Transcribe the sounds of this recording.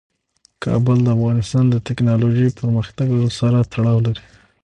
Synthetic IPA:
kʰɑ̰bəld̪əafɣɑnɪst̪ɑnd̪ət̪ɪknɑloʒejpʰəɾməxt̪aɡlaɽəsaɾat̪ʰaɽɑwlaɾi

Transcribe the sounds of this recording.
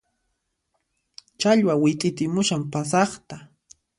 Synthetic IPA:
t͡ʃaʎwawɪt̪ʼɪt̪ɪmʊʃampasɑχt̪a

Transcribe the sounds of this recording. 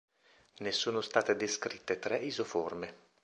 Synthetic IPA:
nesuːnost̪aːt̪ed̪eskɾit̪ːet̪ɾɛʔizoforme

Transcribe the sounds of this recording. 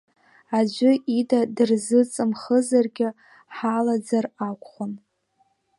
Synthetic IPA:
ad͡ʒʷʊidadɨrzɨt͡sʼɨmχəzarɡʲɪ | ħalad͡zarakʷʰʼχʷan

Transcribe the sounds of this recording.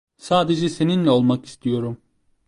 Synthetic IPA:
saːd̪e̞d͡ʒɛse̞ninlʲɛo̞lˠmaki̥st̪ʰijo̞ɾum

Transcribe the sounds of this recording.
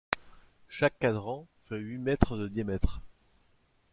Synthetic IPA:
ʃakːad̪ʁɑ̃fɛɥimɛt̪χəd̪əd̪jamɛt̪χ

